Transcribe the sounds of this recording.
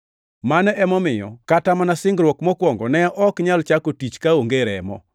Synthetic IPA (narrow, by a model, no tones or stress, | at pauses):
manɛɛmɔmɪjɔ̰katamanasɪŋɡɾwɔkmɔkwɔŋɡɔnɛʔɔkɲalt͡ʃakotit͡ʃkaoŋɡeɾɛ̰mɔ̰